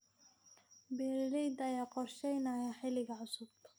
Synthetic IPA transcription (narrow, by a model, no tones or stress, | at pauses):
bɛːɾɾɛjd̪ɐjaːqɔrʃɛjnɐjaħɪlɪɣɐʕʊsʊb̚t̪ʰɐ̥